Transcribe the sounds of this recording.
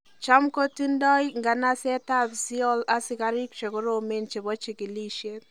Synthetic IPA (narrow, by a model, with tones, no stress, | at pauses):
t͡ʃa˦mko˦ti˦ndɔ˦jŋɡa˨na˦sɛ˦ta˦bzi˦ɔ˦la˦sɪ˨ka˦ɾɪ˦kt͡ʃe˨ko˦ɾo˦˨me˦nt͡ʃe˨bɔ˦t͡ʃi˨ki˨li˦ʃe˦t